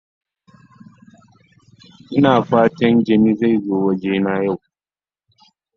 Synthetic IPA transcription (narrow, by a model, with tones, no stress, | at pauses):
ʔɪ˦naː˨ɸaː˦tɐ˦nd͡ʒɐ˨niː˦za˦˨jzoː˦wɐ˦d͡ʒeː˦naː˦ja˦˨w